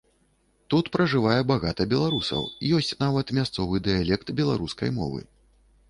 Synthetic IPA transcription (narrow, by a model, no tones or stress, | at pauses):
t̪ut̪pɾɐʐɨvajɛbaɣat̪ɐbʲɛlˠaɾusɐ̰wijɔsʲt͡sʲnavɐt̪mʲast̪sɔvɨd̪ɨjalʲɛkt̪bʲɛlˠa̰ɾuskɐ̰jmɔ̰vɨ̰